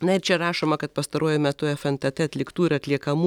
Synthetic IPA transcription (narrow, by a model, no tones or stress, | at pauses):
nɐɪɾt͡ʃʲɛɾɑːʃoːmɐkɐt̪pɐst̪ɐɾuɔjʊmʲɛt̪ʊɛfɛnt̪ʲɐt̪ʲɛɐt̪ʲlʲɪkt̪uːɪɾɐt̪ʲlʲiɛkɐmu